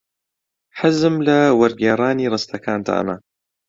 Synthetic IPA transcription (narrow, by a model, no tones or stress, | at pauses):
ħazɨmlɐwɐɾɡaɾˤaːniːrˤɨst̪ʰɐkʰaːnt̪ʰa̰ːʔɐ̰mɐ